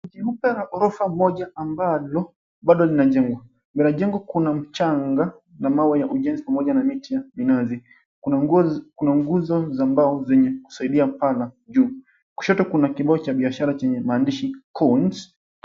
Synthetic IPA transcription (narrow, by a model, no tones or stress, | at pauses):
ʄim̩pɛɾaʔɔɾɔfamɔʄaambalɔ | ɓaɗɔlinaʄɛŋɡwa | binaʄɛŋɡwakunam̩t͡ʃaŋɡa | namawajaʔuʄɛnzipamɔʄanamitijaminazi | kunaŋɡuzɔzambaɔzɛɲɛku̥saiɗiam̩palaʄuː | ku̥ʃɔtɔkunakiɓaɔt͡ʃaɓiaʃaɾat͡ʃɛɲɛmaːndiʃikʰɔnt